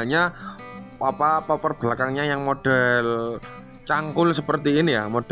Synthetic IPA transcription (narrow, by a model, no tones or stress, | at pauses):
ɲa | apapapərb̥lakaŋɲajaŋmoɖ̥ɛl | t͡ʃaŋkʊlsəpərt̪iːnijamod̥